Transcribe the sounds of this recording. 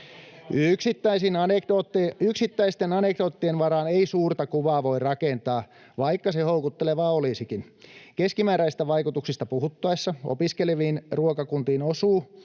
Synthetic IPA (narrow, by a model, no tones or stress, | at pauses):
yksit̪ːæisinoyksit̪ːæist̪enɑnek̚dot̪ːienʋɑɾɑːneisuːrt̪ɑkuʋɑːʋo̞irɑkent̪ɑː | ʋɑikːɑsehoukut̪ːeleʋɑːolisikin | keskimæːɾæist̪æʋɑikut̪uksist̪ɑpuɦut̪ːɑesːɑo̰piskeleʋiːnruokɑkunt̪iːnosuː